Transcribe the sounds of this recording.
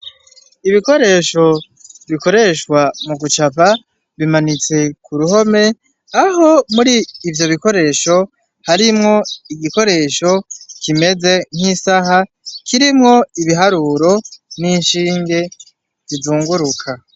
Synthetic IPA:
iβiko̞ɾe̞ːʃo̞ | βiko̞ɾe̞ʃkwamuɡut͡ʃapa | βimanit͡se̞kuɾuɦo̞me̞ | aɦo̞muɾiːvjo̞βiko̞ɾe̞ʃo̞ | haɾimŋo̞iɡiko̞ɾe̞ːʃo̞kʰime̞ze̞ŋ̥hisaɦa | kʰiɾimŋo̞iβiɦaɾuːɾo̞ninʃiːŋɡe̞ | zizuːŋɡuɾukʰa

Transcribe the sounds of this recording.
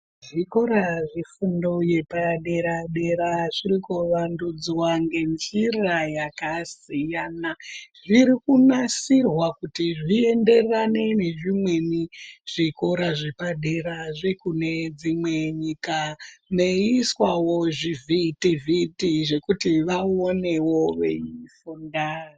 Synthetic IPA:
ʐiko̞ɾaʐifundoje̞paɗe̞ɾaɗe̞ɾaʐirikuʋandud͡zwaŋɡe̞nzirajakasijanaʐiɾikunasirwakutiʐie̞nde̞rane̞ne̞ʐimwe̞niʐ̥iko̞ɾaʐepaɗe̞ɾaʐekune̞d͡zimwe̞ɲikane̞iswawoʐivʱitivitiʐe̞kutiʋaone̞wo̞ʋe̞̰ifundaːri

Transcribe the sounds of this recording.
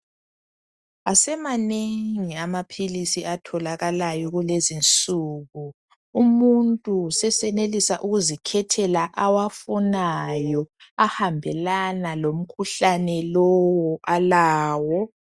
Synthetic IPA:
asɛmaneŋiamapʰilisiʔatʰɔlaɣalajɔɣulɛzint͡sʼuːɣu | umuntʼusɛsɛnelisaʔuɣuzikʰɛtʰɛlaʔawafunajɔahambʱɛlanalom̩kʰuɬanɛlɔwɔʔalaːwɔ

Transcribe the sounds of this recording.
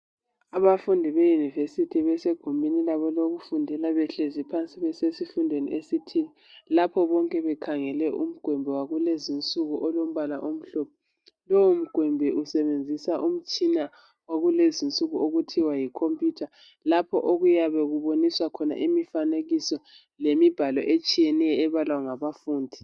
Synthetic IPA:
aβafundʱiβejunivesitʰiβɛseɡ̥ʱumbʱinilaβɔloɣufundʱɛlaβɛɬezipʰant͡sʼiɣwesesifundʱwenḭesitʰili | lapʰɔβɔŋkʼɛβɛkʰaŋɛlɛʔum̩ɡ̥ʱwɛmbʱɛwaɣulezint͡sʼuɣuʔɔlom̩βalaʔom̩ɬɔp̚ʰɔ | lɔwum̩ɡ̥ʱwɛmbʱɛʔusɛβend͡zʱisaʔum̩t͡ʃʼina | waɣulezint͡sʼuɣuoɣutʰiwajikʰompʼjuːtʰa | lapʰɔ̰ʔoɣujaβɛɣuβoniswakʰɔna̰ʔimifaneɣisɔ | lemib̥ʱalɔʔet͡ʃʼijɛnɛjɔːβalwaŋaβafuːndʱi

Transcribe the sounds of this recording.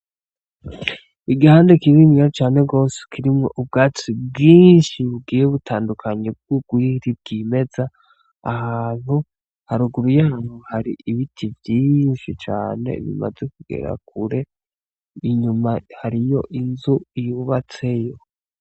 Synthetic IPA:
iɡihaːndekininiat͡ʃaːne̞ɡo̞ːse̥kʰiɾimŋo̞ʔub̚ɡaːt͡sibɡiːnʃiβubɡiːjeβutaːndukʰaɲe̞b̚ɡ̥uɡwiːɾib̚ɡiːme̞za | ahaaːn̥hu | haɾuɡuɾujaːn̥huhaɾiʔiβitʰivjiːnʃit͡ʃa̰ːne̞̰βḭma̰ze̞kuɡe̞̰ɾa̰k̚uɾe̞ | iɲumahaɾijo̞ʔinzuijuβat͡se̞jo̞

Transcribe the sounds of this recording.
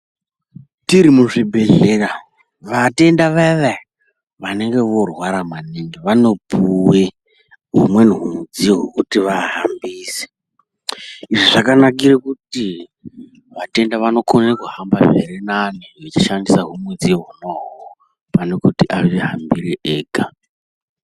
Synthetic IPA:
tiɾimuʐibʱe̞ɮera | ʋate̞ndaʋaʋa | ʋane̞ŋɡe̞ʋo̞rwaɾamaneŋɡeʋano̞pʰuwe | ɦumweniɦumud͡ziɦokutiʋaɦambiːse̥ | iʐiʐakanak̬iɾekuti | ʋate̞ndaʋano̞kʰonekuɦambameɾenaniʋet͡ʃiʃandisaɦumwed͡zioɦunoɦwo | panekutiʔaʋeɦambireʔeːɡʱa

